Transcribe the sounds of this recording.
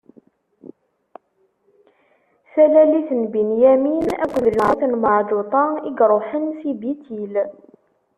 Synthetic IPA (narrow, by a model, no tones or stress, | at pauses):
sælæliθənbənjæminækʷːðəlʕəθnməʕdʊt̪ˤɑiɡɾˤoħənsibit̪ʰil